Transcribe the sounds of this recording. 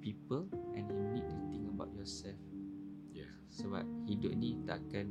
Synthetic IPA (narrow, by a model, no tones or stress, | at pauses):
pipəlʔɛ̃njunid̚tut̪ĩŋəbaʊt̚jɔsɛlf | jɛ | səba̰p̚hidʊp̚nĩt̪a̰ʔkan